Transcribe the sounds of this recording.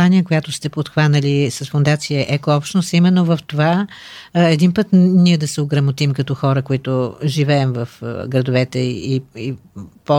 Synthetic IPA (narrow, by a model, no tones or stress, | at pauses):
anʲiəkojat̪ʊst̪ɛpot̪xvanəlisɐsfʊnd̪at̪siəʔɛkoɔpʃt̪nost̪imɛnːovɐft̪ova | ɛd̪inpət̪niɛd̪ɐsɛoɡɾɐmot̪imkɐt̪ɔxɔɾəkoit̪ʊʒivɛɛmvɐfɡɾɐd̪ovɛt̪ɛiipɔ